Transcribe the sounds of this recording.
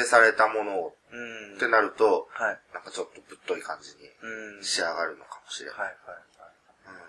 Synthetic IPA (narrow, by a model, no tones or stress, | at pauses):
esaɾe̞t̪amo̞no̞ | t̪ːe̞naɾɯ̟t̪o̞hnãŋkat͡ɕo̞t̪ːo̞b̥ɯ̟t̪ːo̞ikãɲd͡ʑiɲ̟ḭɕiaɡaɾɯ̟no̞kamo̞ɕiɾḛ | ɯ̟̃ɴ